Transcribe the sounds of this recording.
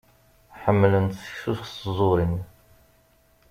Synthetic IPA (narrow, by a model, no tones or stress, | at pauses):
ħəmːlənt̪sə̥çsusszˤoɾin